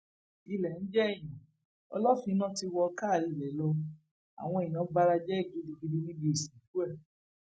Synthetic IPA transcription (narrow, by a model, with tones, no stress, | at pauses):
i˧lɛ˨n̩˦d͡ʒɛ˦ɛ˦˨j̃ã˨ | ɔ̰˧lɔ˦fĩ˧˦nã˦˨ti˧wɔ˧ka˦˨li˨lɛ˨˦lɔ˧ | a̰˨w̃ɔ̃˧ĩ˨nã˨˦ba˦˧ɾa˧d͡ʒɛ˦˨ɡi˨˦di˧ɡi˦di˦nĩ˦bi˧˦i˦˨sĩ˨˦fu˦ɛ˦˨